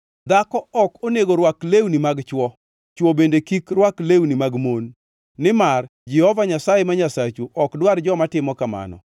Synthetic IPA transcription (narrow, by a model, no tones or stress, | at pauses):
d̪akɔɔkoneɡoɾwaklewnimaɡt͡ʃwɔ | t͡ʃwɔbendekikrwaklewnimaɡmonː | ɪmard͡ʒɪhɔvaɲasajemaɲasat͡ʃuʔɔkdward͡ʒɔmatɪmɔkama̰nɔ̰